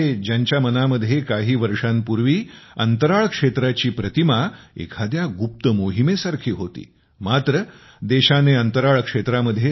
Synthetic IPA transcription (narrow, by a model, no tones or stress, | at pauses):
ed͡ʑjaɲt͡ɕjamənaməd̪ʱjekaɦiːʋəɾʂampuɾʋiːənt̪əɾaɭkʂet̪ɾat͡ɕiːpɾət̪imaḛkʰad̪jaɡup̚t̪əmoɦimesaɾkʰiːɦot̪ḭː | mat̪ɾə | d̪eɕaneənt̪əɾaɭkʂet̪ɾaməd̪ʱːje